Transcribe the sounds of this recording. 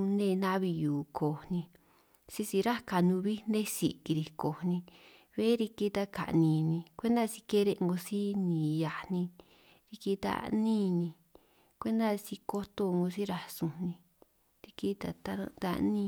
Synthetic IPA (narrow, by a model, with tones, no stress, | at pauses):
nẽ˦˧nã˦βi˧juː˨kʰo˨nĩ˧ | si˦si˧ɾa˦ka˨nũ˧βi˦nẽ˦si˨ki˧ɾi˧ko˨nĩ˧ | βe˦ɾi˧ki˧t̪a˦ka̰˨ʔnĩ˧nĩ˧kʷe˦nd̪a˦˧si˧ke˦ɾe˧ʔŋɡo˧si˦nĩː˨ja˨nĩ˧ | ɾi˧ki˧t̪a̰˧nĩː˦nĩ˧ | kʷe˦nd̪a˦˧si˧ko˦t̪o˧ŋɡo˧si˦ɾa˧sũ˧nĩ˧ | ɾi˧ki˦t̪a˧t̪a̰˧d̪a̰˧nĩ˧